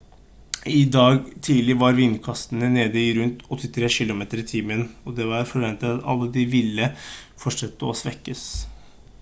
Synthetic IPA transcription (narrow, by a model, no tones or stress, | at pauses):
ɪd̪ɑːɡt̪ʰiːlɪʋɑɾʋɪnkʰɑst̪ənəneːd̪əɪɾʉnt̪ɔt̪ːɪt̪ʰɾeːɕɪlʊmeːt̪əɾɪt̪ʰiːmənɔd̪ɛʋɑɾfɔɾʋɛnt̪ət̪ɑt̪ɑ̰lːəd̪ɪʋɪlːəfɔʂɑt̪ːəɔsʋɛkːəs